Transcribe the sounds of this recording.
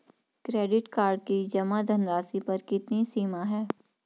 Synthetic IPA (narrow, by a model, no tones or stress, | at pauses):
kɾeːɖɪʈkaːɾɖ̚kid͡ʒɐmad̪ʱɐnɾaːsipɐɾkɪt̪nisiːmaɦɛː